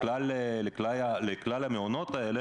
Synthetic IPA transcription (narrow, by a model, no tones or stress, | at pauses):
laleleklajaleklalameonot̪aele